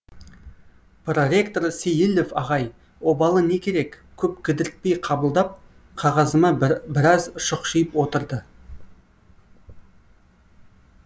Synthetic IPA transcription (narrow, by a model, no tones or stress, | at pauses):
pʰro̞ɾʲe̞kt̪o̞ɾsejɪlʲːofɑʁɑj | wo̞bɑlˠəne̞kʲʰe̞ɾe̞k | kʲʰɵpkʲʰɪd̪ɪɾɪt̪̚pe̞jqʰɑbəlˠd̪ɑp̚ | qʰɑʁɑzəmɑbɪɾɑzʃʊqʃijəpwo̞t̪əɾd̪ə